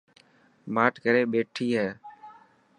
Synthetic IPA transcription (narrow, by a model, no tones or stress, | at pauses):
maːʈkəɾeːɓeːʈʰiːɦɛː